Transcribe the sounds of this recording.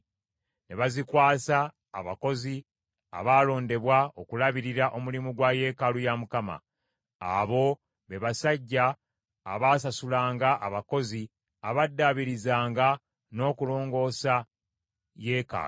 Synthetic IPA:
ne̞βazikwaːsa̰ː | βako̞zi | a̰βaːlo̞ːnde̞βwao̞kulaβiɾiɾaʔo̞mulimuɡwaje̞kalujamukama̰ | aβo̞ | βe̞βasaɟːa̰ː | βaːs̬asulaːŋɡaʔaβako̞zi | aβadːaβiɾizaːŋɡa | no̞ːkulo̞ːŋɡo̞ːsa | je̞ːka̰ː

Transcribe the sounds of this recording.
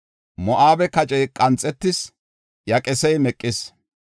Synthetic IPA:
mɔʔaːbɛkɐt͡ʃʼɛjkʼɐnt͡sʼːɛt̪ːɪs | jɐkʼɛsɛjmɛkʼːɪs

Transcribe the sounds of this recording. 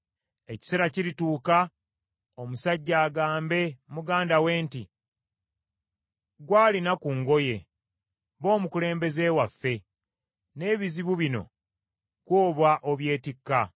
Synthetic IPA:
e̞ci̥seɾaciɾituːka | o̞musaɟːaːɡaːmbe̞muɡaːndawe̞ːnti | ɡwaːlinakuŋɡo̞je̞ | βo̞ːmukule̞ːmbe̞ze̞ːwafːe̞ | ne̞ːβiziβuβino̞̰ | kwoːβwaʔo̞βje̞ːtikːa

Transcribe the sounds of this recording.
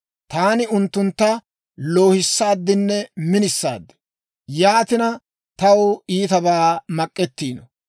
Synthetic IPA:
t̪aːnɪʊnt̪ːʊnt̪ːɐ | lo̞ːhɪsːaːd̪ːɪnːɛmɪnɪsːa̰ːd̪ːɛ̥ | jaːt̪ɪnɐ | t̪ɐwiːt̪ɐbaːmɐkʼːɛt̪ːiːnɔ

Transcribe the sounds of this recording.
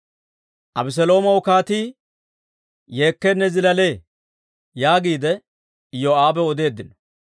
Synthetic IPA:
ʔɐbɪs̬ɛlo̞ːmɐwʊkaːt̪iː | je̞ːkːɛnːɛzɪlɐle̞ː | jaːɡiːd̪ɛ | ɪjoaːbɛɔd̪e̞ːd̪ːɪnɔ̥

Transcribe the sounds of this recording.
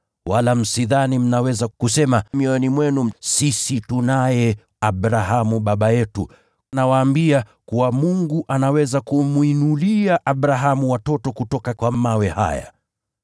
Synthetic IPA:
walam̩siðanim̩nawɛzakusɛmamiɔnimwɛnum̩sisitunajɛ | aɓɾaɦamuɓaɓajɛtṵ | nawaːmbiakuwamuŋɡuʔanawɛzakumwinuliaʔaɓɾaɦamuwatɔtɔkutɔkakwamawɛha̰ja̰

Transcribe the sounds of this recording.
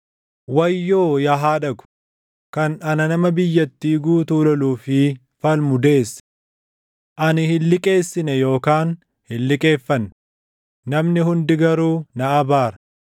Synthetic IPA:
wɐjːoːjɐɦaːᶑɐɡʊ̥ | kɐnɐnɐnɐmɐbɪjːɐt̪ːiːɡuːt̪uːlɐluːfɪ | fɐlmʊd̪e̞ːs | ʔɐnɪhɪlːɪkʼe̞ːsːɪnɛjo̞ːkaːn | hɪlːɪkʼe̞ːfːɐnː | nɐmnɪɦʊnd̪ɪɡɐɾuːnɐɐbaːɾɐ

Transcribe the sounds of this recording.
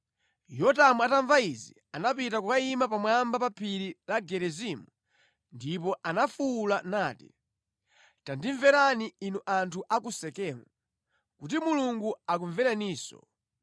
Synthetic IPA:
jɔtamuataɱvaizḭ | anapitakukaimap̬amwambapapʰiɾilaɡɛɾɛzimu | ndip̬ɔʔanafuːlanaːti̥̰ | tandiɱvɛɾaniinuʔantʰuʔakusɛkɛːmu | kut̬imuluŋɡuak̬uɱvɛɾaniːsɔ̰

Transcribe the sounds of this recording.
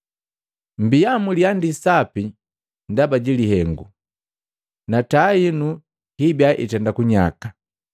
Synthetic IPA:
mbiamuliandisapi | ndabaɟiliɦɛŋɡṵ | natainu | hibjaʔḭtɛndakuɲa̰ka

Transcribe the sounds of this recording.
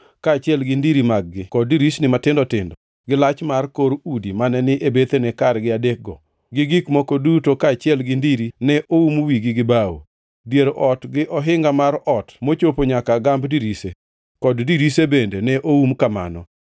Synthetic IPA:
kaːt͡ʃɪɛlɡɪndiɾimaɡ̚ɡɪkɔdiɾisnɪmatɪndɔtɪndɔ | ɡɪlat͡ʃmarkoɾudimanɛnɪʔebet̪enɛkaɾɡɪadek̚ɡɔ | ɡɪɡikmokodutokaːt͡ʃɪɛlɡɪndiɾinɛʔoumwiɡɪɡɪbawo̰ | djeɾʔɔtɡɪʔɔɦɪŋɡamaɾɔtmot͡ʃopoɲakaɡambdiɾise | kɔddiɾisebendenɛʔoumkama̰nɔ̰

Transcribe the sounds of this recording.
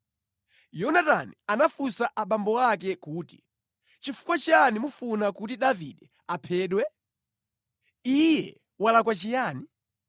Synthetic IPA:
jɔnatanianafusaʔaɓambɔak̬ɛkuːti̥ | t͡ʃifu̥kwat͡ʃanimufunakutiɗavḭɗɛ | apʰɛːɗwɛ | ijɛ | walakwat͡ʃijaːni

